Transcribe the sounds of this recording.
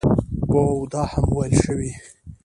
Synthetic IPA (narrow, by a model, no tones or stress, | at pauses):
wowd̪ɑhamwajlʃəwi